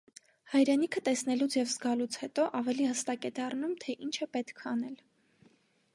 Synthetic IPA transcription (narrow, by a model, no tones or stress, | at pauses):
hɑjɾɛnikʰət̪ɛsnɛlut͡sʰjɛvzɡɑlut͡sʰhɛt̪ɔʔɑvɛlihəst̪ɑkɛd̪ɑrnumt̪ʰɛʔint͡ʃʰəpɛt̪kʰɑnɛl